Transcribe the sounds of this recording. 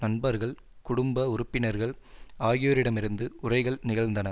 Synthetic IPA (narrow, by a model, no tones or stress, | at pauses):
nɐnbɐɾɣɐɭ | kʊɽʊmbɐʊɾʊpːɪnɐɾɣɐɭaːɣɪjoːɾɪɽɐmɪɾɯnd̪ɯʊrɐɪɣɐɭnɪɣɐɭnd̪ɐnɐ